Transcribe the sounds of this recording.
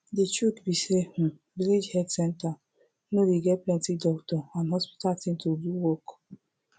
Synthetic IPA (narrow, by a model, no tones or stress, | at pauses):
dit͡ʃukbisehũ | viled͡ʒhɛdsɛ̃nta | nowiɡɛtplɛ̃ntidɔktɔãnɦɔspi̥tatĩntubuwɔk